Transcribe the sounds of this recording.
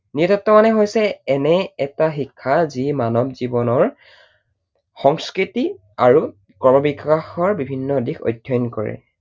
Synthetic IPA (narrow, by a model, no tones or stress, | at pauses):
nitɔtːɔmanɛɦojsɛːnɛɛtaxikʰːazimanɔbzibɔnɔɹ | xɔŋskɹiti | aɹu | kɔɹmɔbikaxɔɹbibʱinːɔdikʰo̰jdʱjɔjnkɔɹɛ̰